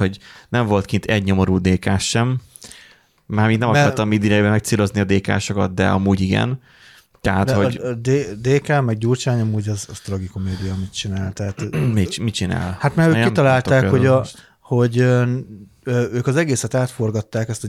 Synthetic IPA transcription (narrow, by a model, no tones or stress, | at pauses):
ho̞ɟnɛɱvo̞lt̪̚kint̪ʰɛɟɲo̞mo̞ɾuːd̪eːkaːʃʃɛm | mːaːɾmiːd̪nɛmɒɔɾɒmiːd̪iɛjbɛmɛk̚t̪siːlo̞zniɒd̪eːka̰ːʃokɒt̪̚d̪ɛ̰ɒmuːɟiɡɛ̰n | t̪ɛɦaːt̪hoɟd̪ed̪eːkaːmɛɡ̚ɟuːrt͡ʃaːɲɒmuːɟɛzɒzt̪rɒɡikumeːd̪ijɒmit̪t͡ʃinaːlt̪ɛɦat̪mit͡ʃmit͡ʃina̰ːlhat̪maːɾøːkit̪ɒlaːlt̪aːkho̞ɟ | ho̞ɟø | øːøːkɒzɛɡeːsɛt̪aːt̪fo̞rɡɒt̪ːaːkɛst̪ɒ